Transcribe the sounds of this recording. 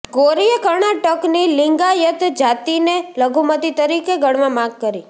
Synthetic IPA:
ɡoɾijəkəɾɳ̃aʈəknilɪŋɡajət̪d͡ʒat̪ineləɡʱumət̪it̪əɾikeɡəɽʋãmãɡ̚kəɾi

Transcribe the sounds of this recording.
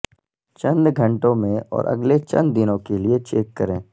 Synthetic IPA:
t͡ʃɐ̃nd̪ɡʱɐ̃ɳʈõmẽɔ̰ːɾʔɐ̰ɡlet͡ʃɐ̰̃nd̪ːɪnõkeliet͡ʃeːkːɐɾẽː

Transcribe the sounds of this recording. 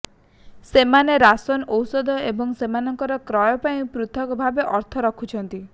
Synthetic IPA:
semaneɾasɔnowsɔd̪ʱɔebɔŋsemanɔŋkɔɾɔkɾɔjɔpaĩpɾut̪ʰɔkɔbʱabeʔɔɾt̪ʰɔɾɔkʰut͡ʃʰɔnt̪i

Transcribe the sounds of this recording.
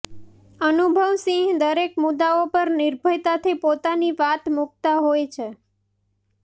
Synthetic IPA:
ənubʱəʋsĩɦd̪əɾekmʊd̪aopəɾnɪɾbʱəjt̪at̪ʰipot̪aniʋat̪muk̚t̪aɦojt͡ʃʰe

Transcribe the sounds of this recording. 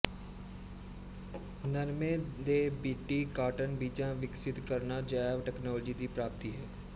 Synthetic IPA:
nəɾmẽːd̪ebiːʈiːkaːʈənbiːt͡ʃãʋɪksɪt̪kəɾnad͡ʒaːʋʈɛːknɔːld͡ʒiːd̪iːpɾaːp̚t̪iɦɛː

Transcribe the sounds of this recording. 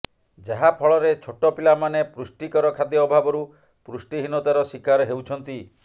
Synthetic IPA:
d͡ʒaɦapʰɔɭɔɾet͡ʃʰoʈɔpilamanepɾusʈikɔɾɔkʰad̪jɔɔbʱabɔɾu | pɾusʈiɦinɔt̪aɾɔsikaɾɔɦewt͡ʃʰɔnt̪i

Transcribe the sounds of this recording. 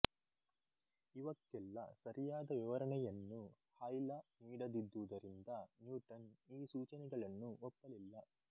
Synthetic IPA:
iʋɐkːɛlːɐ̰sɐɾijaːd̪ɐʋiʋɐɾɐɳɛjɐnːu | hɐjlɐniːɽɐd̪id̪ːuʋud̪ɐɾind̪ɐnjuːʈɐniːsuːt͡ʃɐnɛɡɐɭɐnːuɔpːɐlilːɐ

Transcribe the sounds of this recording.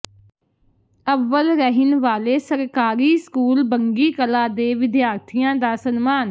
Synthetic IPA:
əʋːəlɾəɦɪnʋaːleːsəɾkaːɾiːskuːlbəŋɡiːkəlaːd̪eːʋɪd̪jaːɾt̪ʰijãːd̪aːsənmaːn

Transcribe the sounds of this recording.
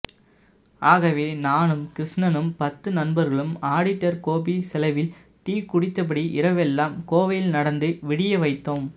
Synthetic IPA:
aːɣɐʋeːnaːnɯmkɪɾɪʂɳɐnɯmpɐt̪ːɯnɐnbɐɾɣɐɭɯmaːɽɪʈːɐɾkoːpisɛlɐʋɪl | ʈiːkʊɽɪt̪ːɐp̬ɐɽiʔɪɾɐʋɛlːaːmkoːʋɐjɪlnɐɽɐnd̪ɯʋɪɽɪjɐʋɐɪt̪ːoːm

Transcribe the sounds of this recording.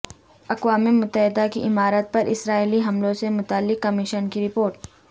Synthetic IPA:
ɐqwaːmemʊt̪ːəɦɪd̪akiʔɪmaːɾət̪̚pɐɾʔɪsɾaːiliɦɐmlõsemʊt̪aːlːɪkːɐmɪʃənkiɾɪpoːɾʈ

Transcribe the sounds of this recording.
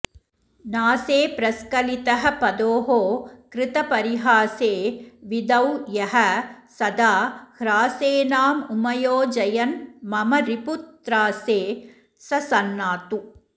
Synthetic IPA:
naːseːpɾɐskɐlit̪ɐɦɐ̆pɐd̪oːɦoːkɾɪt̪ɐpɐɾiɦaːseːʋid̪ɐwjɐɦɐsɐd̪aːhɾaːseːnaːmumɐjoːd͡ʒɐjɐnmɐmɐɾiput̪ːɾaːseː | sɐsɐnːaːt̪u

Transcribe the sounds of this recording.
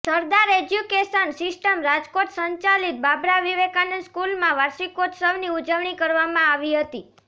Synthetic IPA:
səɾd̪aɾed͡ʒjukeʃənsɪsʈəmɾad͡ʒkoʈsəɲt͡ʃalit̪̚babɾaʋiʋekanənskulmãʋaɾʃikoʈsəʋniud͡ʒəʋɳikəɾʋamãaʋiɦət̪i

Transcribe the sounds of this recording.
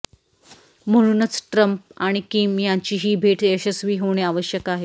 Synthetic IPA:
m̤əɽ̃uːnət͡sʈɾəmp̚aɽ̃ikiːmjãɲt͡ɕiːɦiːbʱeʈeɕəsʋiːɦoɽ̃eaʋəɕjəkaɦe

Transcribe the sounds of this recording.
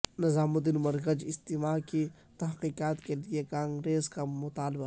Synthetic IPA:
nɐzaːmʊd̪ɪnmɐɾkəd͡ʒɪst̪imaːki | t̪ɐɦqiːqaːt̪keliekãːŋɡɾeːzkamʊt̪aːlba

